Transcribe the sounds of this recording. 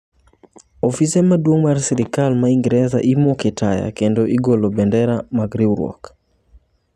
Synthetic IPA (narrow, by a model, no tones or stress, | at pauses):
ɔfisɛmadwoŋmarsɛɾikalmaiŋɡɾɛza̰ʔimokɛtaja̰kendoʔiɡolobɛndɛɾamaɡɾibɾwɔ̰k